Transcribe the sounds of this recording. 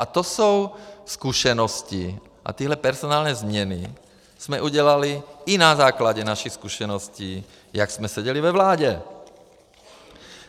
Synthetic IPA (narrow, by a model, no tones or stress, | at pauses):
ʔat̪osowskuʃɛnɔsci | ʔa̰t̪iːɦlɛpɛɾzonaːlɲɛːzmɲɛni | smɛʔuɟɛlaliinazaːklaɟɛnaʃixskuʃɛnɔsciː | jaksmɛsɛɟɛlivɛvlaːɟɛ